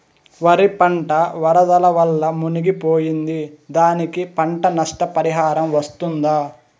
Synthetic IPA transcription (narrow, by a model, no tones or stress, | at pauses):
ʋɐɾipɐɳʈɐʋɐɾɐd̪ɐlɐʋɐlːɐmuniɡipoːjind̪id̪aːnikipɐɳʈɐnɐʂʈɐpɐɾiɦaːɾɐmʋɐst̪und̪aː